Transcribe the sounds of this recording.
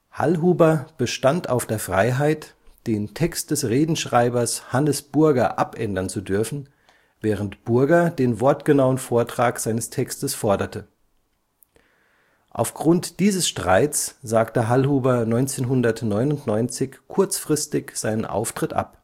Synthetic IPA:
ha̰lɦuːbɐb̥əʃtanta̰ʊfd̥eːɐfʁ̥aɪɦaɪt | d̥eːntʰɛkst̚d̥ɛsʁeːdn̩ʃʁ̥aɪbɐshanəsb̥ʊɐɡɐʔapʔɛndɐnt͡sudʏɐfn̩ | vɛːʁ̞əntb̥ʊɐɡɐdeːnvɔɐtɡ̥ənaʊənfoːɐtʁ̥aːkz̥aɪnəstʰɛkstəsfɔɐdɐtʰə | ʔa̰ʊfɡ̥ʁʊntd̥iːzəsʃtʁ̥a̰ɪtt͡sz̥aːktəɦalhuːbɐnɔʏnt͡seːnɦʊndɐtnɔʏnʊntnɔʏnt͡sɪçkʰʊɐt͡sfʁ̥ɪstɪçz̥aɪnənʔa̰ʊftʁ̥ɪtʔa̰p

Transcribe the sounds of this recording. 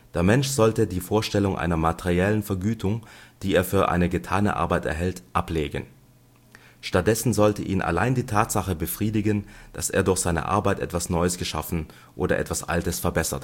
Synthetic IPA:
d̥eːɐmɛnʃz̥ɔltədiːfoːɐʃtɛlʊŋʔa̰ɪnɐmatʰeʁiɛlənfɛɐɡyːtʰʊŋd̥iːeːɐfyːɐʔa̰ɪnəɡətʰaːnə̰ʔa̰ɐbaɪtɛ̰ɐɦɛltʔapleːɡə̰n | ʃtat̚d̥ɛsn̩zɔltəʔiːnʔa̰laɪndiːtʰaːtz̥aχəbəfʁ̥iːdɪɡənd̥aseːɐdʊɐçz̥aɪnə̰ʔa̰ɐbaɪtʔɛ̰tv̥asnɔʏəsɡ̥əʃa̰fn̩ | ʔoːdɐ̰ʔɛ̰tv̥asʔa̰ltəsfɛɐbɛsɐ̰t

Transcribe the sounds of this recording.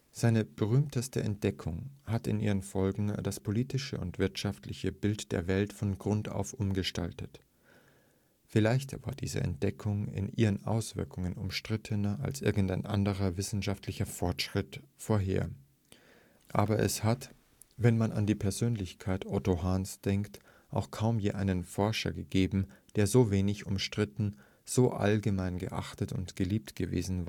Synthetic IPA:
z̥aɪnəb̥əʁ̞yːmtəstəʔɛ̰nt̚d̥ɛkʰʊŋhatɪ̰nʔiːʁ̞ənfɔlɡŋ̩daspʰoliːtɪʃəʊ̰ntv̥ɪɐtʃaftlɪçəbɪltd̥eːɐvɛltfɔnɡʁʊnta̰ʊfʔʊmɡəʃta̰ltət | fɪlaɪçtɐva̰ːɐdiːzə̰ʔɛ̰nt̚d̥ɛkʰʊŋɪ̰nʔḭːʁənʔa̰ʊsv̥ɪ̰ɐkʰʊŋənʊmʃtʁ̥ɪtʰənɐʔa̰lsʔɪɐɡŋ̩taɪnʔa̰ndəʁɐvɪsn̩ʃaftʰlɪçɐfɔɐtʃʁ̥ɪtfoːɐɦḛːɐ | ʔa̰ːbɐʔɛ̰shat | vɛnmana̰ndiːpʰɛɐzøːnlɪçkʰaɪtʔɔtoɦansd̥ɛŋkt | ʔa̰ʊxkʰaʊmjeːʔaɪnənfɔɐʃɐ̰ɡəɡeːbm̩d̥eːɐzoːveːnɪçʊmʃtʁ̥ɪtn̩ | z̥oːʔa̰lɡəmaɪnɡə̰ʔa̰χtətʊ̰ntɡ̥əliːp̚tɡ̥əvḛːzn̩va

